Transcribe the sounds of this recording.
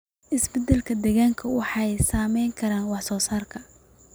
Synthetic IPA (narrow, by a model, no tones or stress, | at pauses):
ʔɪsbɛd̪ɛlkʰɐd̪ɛɣaːŋkʰɐwɑħɑɛjsaːmɛjŋkʰɐɾaːnwɑħsɔːsaːrkʰɐ